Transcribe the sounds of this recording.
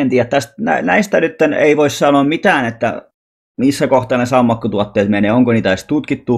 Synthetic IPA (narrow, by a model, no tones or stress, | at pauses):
ent̪iːjæt̪t̪æst̪næ̰næist̪ænyt̪ːenḛiʋoissɑnoːmmit̪æːnet̪ːæ̰ | misːækoht̪ɑːnesɑumːɑkːut̪uɑt̪ːeːt̪meneːoŋkoniːt̪æɑˑist̪ut̪kit̪ːu